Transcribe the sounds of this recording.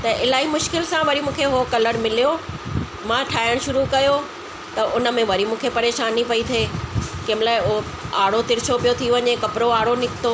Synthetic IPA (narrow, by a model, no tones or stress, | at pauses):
t̪ɐʔɪlaːɦimʊʃkɪlsãʋɐɾimũːkʰeɦokɐləɽmɪlijo | mãʈʰaːjəɽ̃ʃʊɾukɐjo | t̪ɐʔʊnə̆mẽʋɐɾimũːkʰepɐɾeːʃaːnːipɐit̪ʰeːkɐːmlaːɪʊ | aːɽot̪ɪɾɪt͡ɕopijot̪ʰiʋɐɲekɐpɾoaːɽonɪkʰɪ̥t̪o